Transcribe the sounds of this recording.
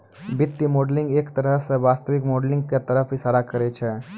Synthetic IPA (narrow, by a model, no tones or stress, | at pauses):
bɪt̪ːimoːɖlɪ̃ŋɡeːkt̪ɐɾəɦseʋaːst̪əʋɪkmɔːɖlɪ̃ŋɡket̪ɐɾəfʰɦisaːɽakɐɾet͡ʃʰe